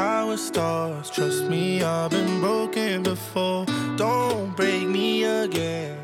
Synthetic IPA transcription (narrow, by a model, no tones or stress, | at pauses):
awə̥stɑɹz̥tʰɹ̥ʌst̚miaɪbɨ̃nbɹoʊkɨ̃nbɪfɔɹd̥õʊnb̥ɹeɪk̚miəɡɛ̃n